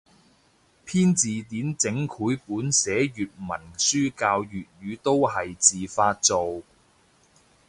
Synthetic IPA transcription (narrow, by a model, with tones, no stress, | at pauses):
pʰiː˥nt͡siː˨t̪iː˨˥nt͡sɪ˨˥ŋkʰuː˨˥jpuː˨˥nsɛː˨˥jyː˨t̚mɐ˨˩nsyː˥kaː˧wjyː˨t̚jyː˨˧t̪o˥wɦɐ˨jt͡siː˨faː˧t̚t͡so˨w